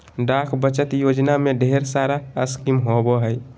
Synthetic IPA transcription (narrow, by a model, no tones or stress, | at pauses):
ɖakʰbət͡ʃət̪jod͡ʒnameɖʱeɾsaɾaəskimɦoboɦəj